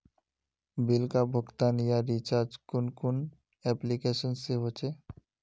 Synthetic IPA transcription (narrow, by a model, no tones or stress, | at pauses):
bilkabʱokt̪anijaɾit͡ɕaɾd͡ʑkonkon | ɛplikeʃonseɦot͡ɕʰe